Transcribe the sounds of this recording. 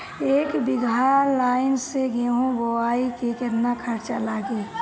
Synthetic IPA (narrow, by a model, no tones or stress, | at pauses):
eːkbɪɡʱaɾlaːɪnseɡʱeɦũɡowaːikekeɾnakʰəɾt͡ʃalaːɡe